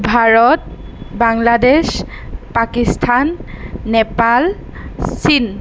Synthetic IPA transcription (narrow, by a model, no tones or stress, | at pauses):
bʱaɹɔt̚ | baŋlades | pakistʰanːɛpal | sin